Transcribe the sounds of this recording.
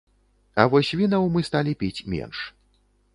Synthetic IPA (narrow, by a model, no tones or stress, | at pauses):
ɐ̰vɔsʲvʲinɐwmɨst̪alʲipʲit͡sʲmʲḛnʂ